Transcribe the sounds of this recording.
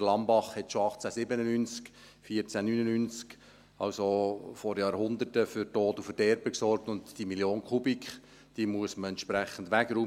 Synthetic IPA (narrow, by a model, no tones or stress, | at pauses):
əlɑmbɑχhɛtʃoɑχt͡sæsɪbənənynt͡sk | fiːəɾt͡sænynənynt͡sk | ɑwsofɔɾjɑːɾhʊnd̪ətəfʏɾtoːtufəd̥ɛɾb̥əksɔrk̚tʊntd̥imiljoːnkʰubikχ | d̥iːmuəsməɛnt̪ʃpɾæχən̩dʋæɡɾuː